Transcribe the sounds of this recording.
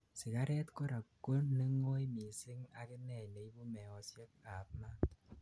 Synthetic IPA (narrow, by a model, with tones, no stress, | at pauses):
si˨ka˦ɾɛ˦t̪kɔ˦ɾa˨ko˦nːe˦ŋo˦jmi˨sɪ˦ŋa̰˨ke˦nɛ˨jne˨jbo˦mɛ˨ɔ˨sje˦k̚a˨p̚ma˦